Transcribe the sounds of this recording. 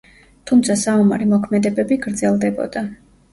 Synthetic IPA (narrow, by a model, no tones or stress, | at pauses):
t̪ʰumt̪sʰasaɔma̰ɾimɔkʰmɛd̪ɛbɛbiɡɾd̪zɛlˠd̪ɛbɔ̰d̪̥a